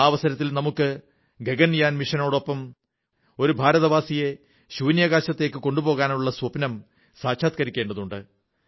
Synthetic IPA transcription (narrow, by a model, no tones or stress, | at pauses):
aːʋɐsɐɾɐt̪ːilnɐmukːɨ | ɡe̞ɡɐnːijaːnmiʂɐno̞ːɽo̞pːɐm | o̞ɾubʱaːɾɐðɐʋaːsije̞ | ɕuːnjɐɣaːɕɐt̪ːe̞ːkːɨko̞ɳɖubo̞ːɣaːnuɭːɐswɐpnɐm | saːkɕʰaːt̪̚kɐɾikʲːe̞ːɳɖɐðuɳɖɨ